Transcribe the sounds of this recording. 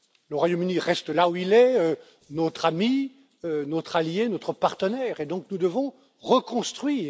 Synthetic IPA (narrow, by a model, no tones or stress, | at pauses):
ləʁwajomyniʁɛst̪lauilɛø | not̪χami | ønot̪χaljenɔt̪χəpaʁt̪ənɛʁed̪ɔ̃knud̪əvɔ̃ | ʁəkɔ̃st̪χɥiː